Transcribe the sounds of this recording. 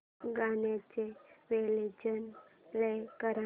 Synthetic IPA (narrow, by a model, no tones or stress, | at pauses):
ɡanat͡ɕeʋeled͡ʑənlekəɾa